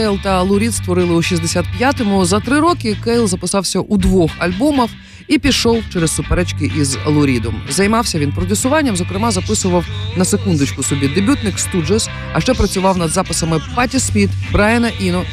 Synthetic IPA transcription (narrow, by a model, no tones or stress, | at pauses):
kɛjlˠt̪ɐɐlˠʊɾʲit̪st̪ʋɔɾɪlˠɪʊʃizʲd̪esʲat̪̚pʲjat̪ɔmʊzɐt̪ɾɪɾɔkɪkɛjlˠzɐpɪsɑwsʲɐʔud̪ʋɔxɐlʲbɔmɐw | ipʲiʃɔwt͡ʃɛɾɛssʊpɛɾɛt͡ʃkɪʔizɐ̰lˠʊɾʲid̪ʊmzɐjmɑwsʲɐʋʲinpɾɔdʲisʊʋɑnʲːɐmzɔkɾɪmɑzɐpɪsʊʋɐwnɐsekund̪ʊt͡ʃkʊsʊbʲid̪ebʲut̪nɪkst̪ud͡ʒɐs | ɐʃt͡ʃɛpɾɐt͡sʲʊʋɑwnɐd̪zɑpɪsɐmɪpɑt̪ʲispʲit̪bɾɑjɐnɐʔinɔ